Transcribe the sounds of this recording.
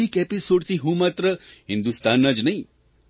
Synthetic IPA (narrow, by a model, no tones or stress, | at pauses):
ikepisoɖt̪ʰiɦũmat̪ɾəɦɪ̃nd̪ust̪anːəd͡ʒnəɦĩ